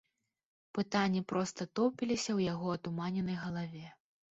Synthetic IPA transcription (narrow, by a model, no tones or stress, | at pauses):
pɨt̪anʲːipɾɔst̪ɐt̪ɔpʲilʲisʲɐwjaɣɔɐt̪umanʲɛnɐjɣɐlˠavʲɛ